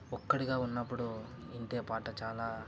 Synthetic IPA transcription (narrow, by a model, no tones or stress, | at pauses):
ɔkːɐɽiɡaːunːɐpːuɽu | iɳʈ̪e̞ːpaːʈɐt͡ʃaːlaː